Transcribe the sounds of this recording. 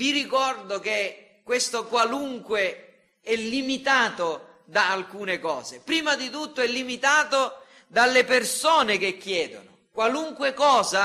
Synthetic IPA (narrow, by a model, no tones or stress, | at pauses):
virikɔrd̪ok̟e | kːwest̪okwaluŋkwe | ɛlːimit̪aːt̪o | d̪aːlkuːnekɔːzepɾiːmad̪it̪ut̪ːoɛlːimit̪aːt̪o | d̪alːepersoːnek̟ekːjɛːd̪o̰nʊ | kwaluŋkwekɔːza